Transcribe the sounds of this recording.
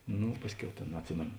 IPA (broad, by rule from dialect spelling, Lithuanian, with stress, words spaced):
ˈnʊ ˈpɑːsʲˌkʲɛʊ ˈtʲeːn ɐtʲˈsʲɪmʲeːnoː